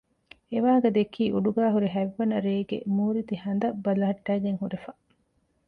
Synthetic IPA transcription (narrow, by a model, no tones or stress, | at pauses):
eʋaːɡɐd̪ekʰiːʔuɖuɡæːɦuɾeɦæʋːɐnɐɾeːɡḛmuːɾit̪ihɐnd̪ɐbɐlɐɦɐʈːæːɡeŋhuɾefɐ